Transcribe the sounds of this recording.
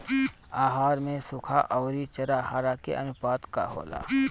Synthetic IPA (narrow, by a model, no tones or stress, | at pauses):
aːɦaːɾmẽsʊkʰaʔɔːɾit͡ʃɐɾahaːɾakḛʔənʊpaːt̪ka̰ɦo̰ːla̰ː